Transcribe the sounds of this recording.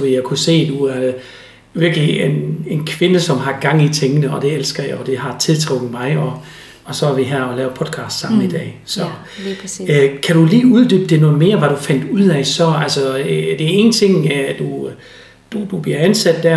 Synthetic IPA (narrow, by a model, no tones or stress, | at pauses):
ʋejækʰuse̝̰ːd̥uæɐ | ʋiɐɡ̥əliene̝nkʰʋe̝nəsɒ̽mɦɑ̈ɡ̥ɑ̈ŋ̰it͡sʰeŋənəɒ̽d̥e̝elsɡ̥ɐjɑɒd̥e̝hɑ̈t͡sʰe̝lt͡sʰʁɔ̽ɡ̥ð̩mɑ̈ɪɒ | ɒsɒ̽æɐʋiɦæɐɒ̽lɛːʊpʰɒ̽d̥ˠkʰɑ̈ːsd̥sɑ̈m̰n̩id̥ɛ̰ːsɒ | kʰæɾ̥uliːuð̞ˠd̥yːb̥əd̥e̝no̝ːme̝ːɐʋɑɾ̥ufæn̰d̥uð̰ˠɛsɒ̽ælsɒd̥e̝æɐe̝ːn̩t͡sʰe̝ŋ̰æd̥u | d̥ud̥ub̥liɐænsæd̥ːæɐ